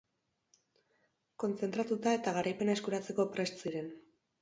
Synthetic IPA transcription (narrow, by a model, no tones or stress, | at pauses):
ko̞nt͡se̞nt̪ɾat̪ut̪ae̞t̪aɣaɾʔajpe̞naekuɾat͡se̞ko̞pɾe̞st͡siɾe̞n